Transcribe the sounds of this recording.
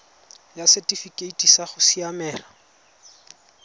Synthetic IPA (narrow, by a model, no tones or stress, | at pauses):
jasɛtʼifikʼeitʼisaχʊsiamɛːla